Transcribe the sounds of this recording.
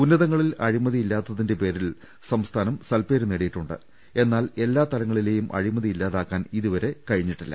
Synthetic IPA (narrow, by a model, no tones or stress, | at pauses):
unːɐðɐŋːɐɭilɐɻimɐðiilːaːt̪ːɐðinde̞pe̞ːɾil | sɐmst̪ʰaːnɐmsɐlpe̞ːɾuneɽejiʈːuɳɖɨ̰ | e̞nːaːle̞lːaːt̪ɐlɐŋːɐɭile̞ːjumʔɐ̰ɻimɐðiilːaːðaːkːaːniðuʋɐɾe̞kɐɻiɲːiʈːilːɐ̰